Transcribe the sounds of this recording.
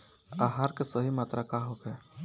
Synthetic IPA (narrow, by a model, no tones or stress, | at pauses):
aːɦaːɾkesəɦimaːt̪ɾʔakaɦokɛː